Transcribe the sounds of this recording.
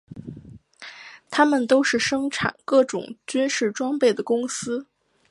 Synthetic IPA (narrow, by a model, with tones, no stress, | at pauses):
t̪ʰa˥mə˨nt̪o˥ʊʂɻ̩˥˩ʂɤ˥ŋʈ͡ʂʰa̰˨˩˦nkɤ˥˩ʈ͡ʂʊ˨˩ŋt͡ɕy˥nʂɻ̩˥˩ʈ͡ʂwɑ˥ŋpe˥˩ɪd̪ə˩kʊ˥ŋsɹ̩˥